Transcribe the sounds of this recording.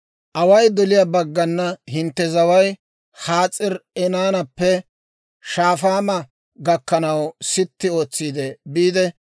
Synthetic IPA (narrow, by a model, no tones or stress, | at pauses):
ʔɐwɐjd̪ɔlɪjabɐɡːɐnːɐhɪnt̪ːɛzɐwɐj | haːt͡sʼːɪɾɛnaːnɐpːɛ | ʃaːfaːmɐ | ɡɐkːɐnɐwsɪt̪ːɪo̞ːt͡sːiːd̪ɛbiːd̪ɛ